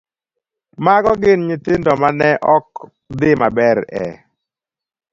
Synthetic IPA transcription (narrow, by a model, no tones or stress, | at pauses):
maɡɔɡɪnɲɪtɪndɔmanɛʔɔk | d̪ɪmabɛɾɛ̰